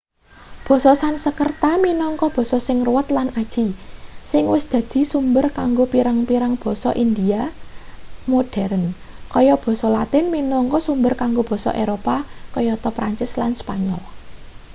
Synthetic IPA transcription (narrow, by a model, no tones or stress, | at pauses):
b̥ɔ̤sɔsansəkərt̪aminɔŋkɔb̥ɔ̤sɔsɪŋruwət̪lanad̥ʒ̥isɪŋwɪsd̪̥ä̤d̪̥i̤sumbərkaŋɡopiɾaŋpiɾaŋb̥ɔ̤sɔʔind̪ia | moɖ̥ɛɾən | kɔjɔb̥ɔ̤sɔlat̪ɪnminɔŋkɔsumbərkaŋɡob̥ɔ̤sɔ̰ʔeɾopakɔjɔt̪ɔpɾaɲt͡ʃɪslanspaɲɔl